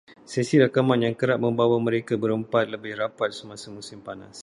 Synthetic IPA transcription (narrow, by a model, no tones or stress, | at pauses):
sɛsiɾakamãnjaŋkəɾaʔ̚mə̃mbawamə̃ɾekabəɾəmpat̪̚ləbɪhrapat̪̚səmãsamũsɪmpana̰s